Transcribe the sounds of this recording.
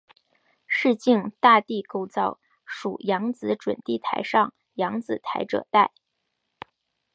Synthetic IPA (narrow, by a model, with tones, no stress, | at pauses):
ʂɻ̩˥˧t͡ɕi˥˧ŋt̪a˥˧t̪i˥˩ko˥˧ʊt͡sɑ˥˩ʊ | ʂṵ˨˩jɑ˧˥ŋt͡sɹ̩˧˥ʈ͡ʂwə̰˨˩nt̪i˥˩t̪ʰa̰˧˥ɪʂɑ˥˩ŋ | jɑ˧˥ŋt͡sɹ̩˨˩t̪ʰa˧˥ɪʈ͡ʂɤ̰˨˩t̪a˥˩ɪ